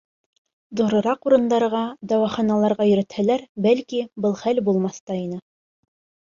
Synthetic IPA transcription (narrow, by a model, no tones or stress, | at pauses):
ðuɾɤ̆ɾɑquɾɤ̆nd̪ɑɾʁɑd̪ɑwɑχɑnɑlˠɑɾʁɑjɵ̆ɾɘ̆t̪hælæɾbælkibɤlˠχælbulˠmɑθt̪ɑinɘ